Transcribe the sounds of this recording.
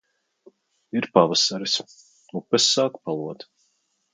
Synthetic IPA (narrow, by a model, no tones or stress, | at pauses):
iɾpavasaɾis | upɛsːaːkpalˠuɔt̪